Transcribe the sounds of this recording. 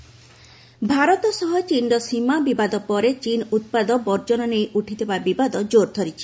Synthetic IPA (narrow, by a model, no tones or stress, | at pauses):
bʱaɾɔt̪ɔsɔɦɔt͡ʃinɖɔsimabibad̪ɔpɔɾet͡ʃinut̪̚pad̪ɔbɔɾd͡ʒɔnɔnejʔuʈʰit̪ebabibad̪ɔd͡ʒoɾd̪ʰʱoɾit͡ʃʰi̥